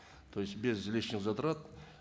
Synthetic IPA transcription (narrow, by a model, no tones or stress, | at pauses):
t̪ʰojsbʲezlʲeʃɪzɑt̪əɾɑt̪